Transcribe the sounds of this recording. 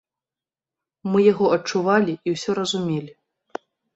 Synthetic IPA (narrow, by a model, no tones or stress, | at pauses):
mɨjaɣɔɐt͡ʂuvalʲiʔiwsʲɔɾɐzumʲelʲi